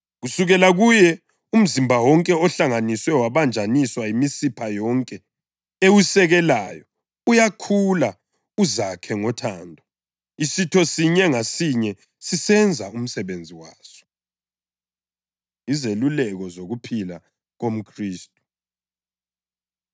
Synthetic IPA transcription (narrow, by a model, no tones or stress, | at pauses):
ɣusuɣɛlaɣujɛ | um̩zimbʱawɔŋkʼɛɔɬaŋaniswɛwaβand͡ʒʱaniswaimisipʰajɔŋkʼɛ | ewusɛɣɛlajɔ | ujakʰula | uzakʰɛŋɔtʰaːndʱɔ | isitʰɔsiɲɛŋasiɲɛ | sisɛnd͡zʱaum̩sɛβend͡zʱiwaːsɔ̥ | izelulɛɣɔzoɣupʰila | ɣom̩kʰriːstʼu̥